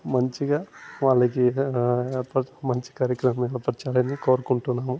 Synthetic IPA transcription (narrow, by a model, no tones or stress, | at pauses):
mɐɲt͡ʃiɡaːʋaːɭːɐki | pɐmɐɲt͡ʃi̥kaːɾjɐkɾɐmɐmːiːd̪ɐpɾɐt͡ʃaːɾɐnikoːɾɐkuɳʈunːaːmu